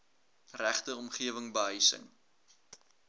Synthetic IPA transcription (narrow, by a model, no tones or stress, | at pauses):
ræχtəɔmχiəvəŋbəɦəjsə̰ŋ